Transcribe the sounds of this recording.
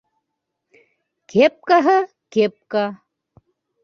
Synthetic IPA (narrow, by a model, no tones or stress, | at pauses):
kep̚kɐɦə | kep̚ka